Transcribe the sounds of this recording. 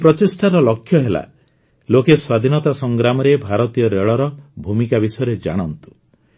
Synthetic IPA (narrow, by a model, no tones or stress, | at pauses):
pɾɔt͡ʃisʈaɾɔlɔkʰːjɔɦela̰ | lokeswad̪ʱinɔt̪asɔŋɡɾamɔɾebʱaɾɔt̪ijɔɾeɭɔɾɔbʱumikabisɔjɔɾed͡ʒa̰ɽ̃ɔnt̪u̥